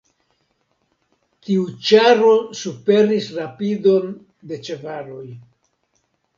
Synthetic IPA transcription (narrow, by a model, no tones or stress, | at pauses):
tiut͡ʃaɾo̞supe̞ɾisɾapido̞n | de̞t͡ʃe̞vaɾo̞j